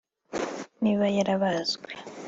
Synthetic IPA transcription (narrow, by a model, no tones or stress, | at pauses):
niβajaɾaβazɡa